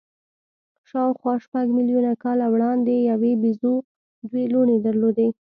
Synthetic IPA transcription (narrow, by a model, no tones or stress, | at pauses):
ʃɑwxwɑʃpaɡmiljunakɑlawɽɑnd̪ejawebizo | d̪weloɽed̪aɾlod̪e